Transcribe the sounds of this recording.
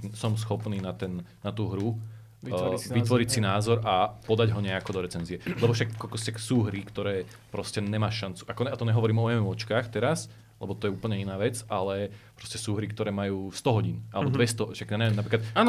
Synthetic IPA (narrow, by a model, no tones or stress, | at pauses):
sɔms̬xɔpniːnat̪ɛnːat̪uːɦɾu | ʋit̪ʋɔɾicsinaːzɔɾʔapɔd̪aɟɦɔɲɛakɔd̪ɔɾɛt͡sɛnziɛlɛbɔfʃakːɔlkɔsaksuːɦɾikt̪ɔɾɛː | pɾɔscɛɲɛmaːʃant͡su̥ʔakɔɛat̪ɔɲɛɦɔʋɔɾiːmɔɛmɛɔt͡ʃkaːxt̪ɛɾas | lɛbɔt̪ɔjɛuːpl̩ɲɛinaːʋɛt͡sʔalɛpɾɔscɛsuːɦɾikt̪ɔɾɛːmajuːst̪ɔɦɔɟiːna̰lɛbɔd̪ʋɛst̪ɔʃaɡɛɲɛʋɛmnapɾiːkat̪aːn